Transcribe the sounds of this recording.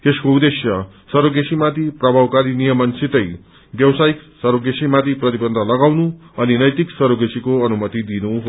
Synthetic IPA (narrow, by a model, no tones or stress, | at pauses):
t̪eskoud̪esjʌ | sʌɾoɡesimat̪iprʌbʱawkaɾinijʌmʌnsit̪ʌj | bjʌwsajiksʌɾoɡesimãt̪iprʌt̪ibʌnd̪ʱʌlʌɡawnu | ʌninʌjt̪iksʌɾoɡesikoʌnumʌt̪id̪inu